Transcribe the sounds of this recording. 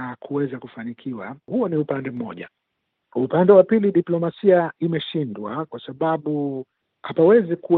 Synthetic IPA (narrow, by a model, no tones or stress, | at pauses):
akʰuwɛzakufanikʰiwa̰huɔniupandɛm̩mɔ̰ʄa̰ | upandɛwapiliɗiplɔmasiaimɛʃindwakwasaɓaɓu | hapawɛziku